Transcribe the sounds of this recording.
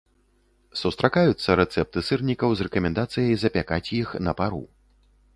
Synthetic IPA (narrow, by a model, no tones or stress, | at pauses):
sust̪ɾʔakajut̪sːɐɾɛt̪sɛp̚t̪ɨsɨrnʲikɐwzrɛkɐmʲɛnd̪at̪sɨjɐjzɐpʲakat͡sʲjixnɐpaɾṵ